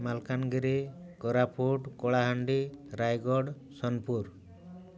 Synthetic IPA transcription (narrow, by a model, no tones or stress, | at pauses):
malkanɡiɾekɔɾapʰoʈkɔɽaɦaɳɖiɾajɡɔɖ | sɔnpuɾ